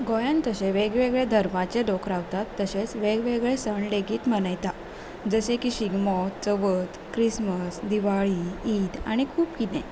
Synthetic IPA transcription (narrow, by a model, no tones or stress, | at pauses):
ɡɔjant̪əɕeʋeɡʋeɡɭed̪ʱəɾmat͡ɕeɖokɾaʋt̪at̪ːəɕet͡sʋeɡʋeɡɭesəɳɖeɡiːt̪mənajt̪a | d͡zəsẽkiɕiɡmɔt͡səʋət̪kɾisməsd̪iʋaɭiiːd̪a̰ɽ̃ikʰuːpkit̪ɛ̃